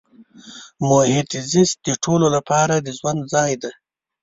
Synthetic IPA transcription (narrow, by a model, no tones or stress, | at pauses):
mohɪt̪zɪst̪̚d̪əʈʰololapɑɾad̪əzwand̪zɑjd̪a